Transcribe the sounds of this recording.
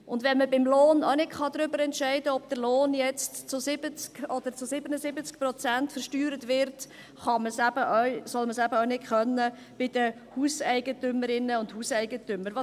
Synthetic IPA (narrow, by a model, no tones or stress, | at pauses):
ʊndʋɛnməbɪmloːno̰nɪtχɑd̪ɾʏbəɾɛntʃɛɪdəɔb̚d̥̪əɾloːnjɛt͡stt͡sʊsɪbət͡skɔd̥̪əɾt͡sʊsɪbənəzɪbət͡skprɔt͡sæntfəɾʃtyːɾətʋɪɾt | χɑməsæbəʔœʏsɔlməsæbəɔnɪtχœnːə | b̥ɪd̥̪ə | huːsɛɪɡətʏməɾɪnːəʊndhuːsɛɪɡətʏməɾʋɑ